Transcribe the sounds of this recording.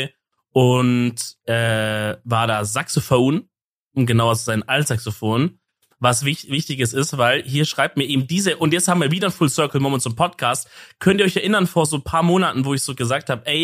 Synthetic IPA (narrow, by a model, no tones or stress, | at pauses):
ʔʊntʔɛːvaːɐdaːzaksofoːn | ʔʊmɡənaʊɐt͡suz̥aɪnʔalsz̥aksofoːn | vasvɪvɪçtɪɡəs̬ɪstv̥aɪlɦiːɐʃʁ̥aɪp̚tmiːɐʔeːbm̩d̥iːzəʔʊntjɛt͡sthaːbm̩viːɐviːdɐnfʊlsœɐkl̩moːmɛnsʊmpʰɔtkʰaːstkʰœnt̚iɐɔçɛɐʔɪnɐnfoːɐzoːpʰaːɐmoːnatn̩voːɪçz̥oːɡəzaːk̚thaːbəʔɛɪ